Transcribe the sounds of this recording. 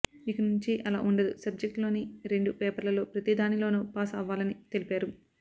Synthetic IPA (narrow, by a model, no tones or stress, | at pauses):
ikɐnuɲt͡ʃiʔɐla̰ːʔuɳɖɐd̪usɐb̚d͡ʒek̚ʈlo̞ːniɾe̞ɳɖupɛːpɐɾlɐlo̞ːpɾɐt̪id̪aːnilo̞ːnuːpaːsɐːʋːaːlɐnit̪e̞lipaːɾu